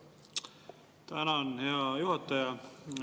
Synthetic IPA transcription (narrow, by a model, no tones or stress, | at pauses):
t̪ænænheɑjuhɑt̪ːɑjɑ